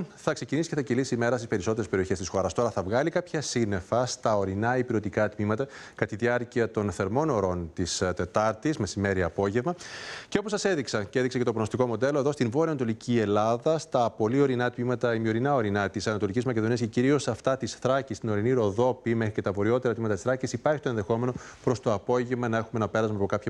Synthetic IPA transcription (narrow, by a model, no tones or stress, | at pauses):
θɐkse̞cinisi̥ceθɐcilisiːme̞ɾɐst̪ispe̞ɾiso̞t̪e̞ɾespeio̞çe̞st̪isxo̞ɾɐst̪o̞ɾɐθɐvɣɐlikɐpçɐsine̞fɐst̪ɐo̞ɾinɐipiɾo̞t̪ikɐt̪mimɐt̪ɐkɐt̪iðiɐɾciɐt̪o̞nθe̞ɾmo̞no̞ɾo̞nt̪ist̪e̞t̪ɐɾt̪izme̞sime̞ɾiɐpo̞ʝe̞vmɐceo̞po̞sɐse̞ðiksɐceðiksecet̪o̞ponost̪iko̞mo̞d̪e̞lo̞e̞ðo̞st̪invo̞ɾiɐnɐt̪o̞licʰie̞lɐðɐst̪ɐpo̞lio̞ɾinɐt̪mimɐt̪ɐimio̞ɾinɐo̞ɾinɐt̪isɐnɐt̪o̞licizmɐceðoniɐsceciɾio̞sɐft̪ɐt̪isθɾɐcist̪ino̞ɾiniɾo̞ðo̞pimexɾice̞t̪ɐvo̞ɾio̞t̪e̞ɾɐt̪mimɐt̪ɐt̪isθɾɐcisipɐɾçi̥t̪o̞e̞nðe̞xo̞me̞no̞pɾo̞st̪o̞ɐpo̞ʝevmɐnɐe̞xumenɐpe̞ɾɐzmeɐpo̞kɐpçɐ